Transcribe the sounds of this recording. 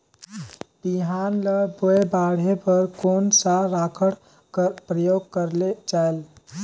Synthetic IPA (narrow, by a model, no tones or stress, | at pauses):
b̥iɦanləboebaɽ̤epəɾkonsaɾakʰəɽ | pɾəjoɡ̚kəɾled͡ʒael